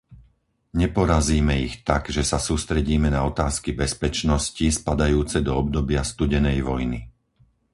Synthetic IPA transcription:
ɲɛpɔɾaziːmɛixt̪aɡʒɛsasuːst̪ɾɛɟiːmɛnaɔt̪aːskibɛspɛt͡ʃnɔscispad̪ajuːt͡sɛd̪ɔɔbd̪ɔbɪast̪uɟɛnɛjʋɔjni

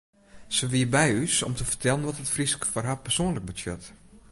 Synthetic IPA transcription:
səʋiəbɛjysɔ̰mtəfərtʰɛlˠənʋɔtətfriskə̥fɔrɦapərsoənlək̚bətʰjøt

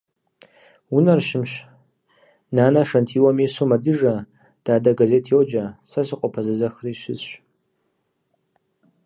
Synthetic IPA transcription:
unarʃɪmʃ | nanaʂantʰiwamesumadɨʐa | d̥aːdaɡaze̞tʰjowd͡ʒasasɨqʼapʰazazaxriʃʷɪ̰zʃʷ

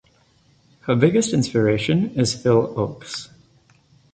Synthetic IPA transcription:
həbɪɡɨstɪ̃nspə˞eɪʃɨ̃nɪz̥fɪlˠoʊks

